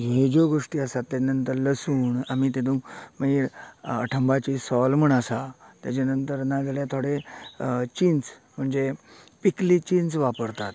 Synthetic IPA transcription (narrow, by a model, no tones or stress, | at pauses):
ɦed͡ʑoɡoʂʈiːəsat̪ːjat͡ɕnənt̪əɾləsuːɳamiːt̪ed̪ũməiːɾə̰ʈʰəmbat͡ɕiːsɔlm̤əɳəsat̪jat͡ɕanənt̪əɾnad͡zəljat̪ʰoɽe | t͡ɕint͡sm̤əɳd͡zepiklit͡ɕinsʋapəɾt̪at̪